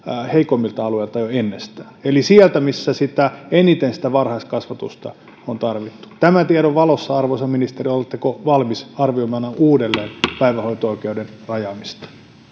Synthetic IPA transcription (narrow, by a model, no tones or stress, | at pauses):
heikomːilt̪ɑɑlueilt̪ɑjoenːest̪æːelisiælt̪æmisːæsit̪æenit̪ensi̥t̪æʋɑrhɑist̪kɑsʋɑt̪ṵst̪ɑ̰ | ont̪ɑrʋit̪ːu̥t̪æmæt̪ieɾoʋʋɑlosːɑɑrʋosɑminist̪eriolet̪ːekoʋɑlmisɑrʋioimɑnɑʔuːdelːeːnpæiʋæhoit̪ooikeuden | rɑjɑmist̪ɑ̥